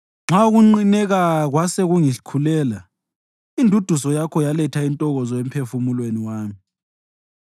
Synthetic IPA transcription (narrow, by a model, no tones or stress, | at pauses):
ŋ͡ǁʱauɣuŋ͡ǃinɛɣaɣwaseɣuŋiɬi̥kʰulɛːla | indʱud̥ʱusɔjakʰɔjalɛtʰaintʼɔɣɔzɔempʰefumulweniwaːmi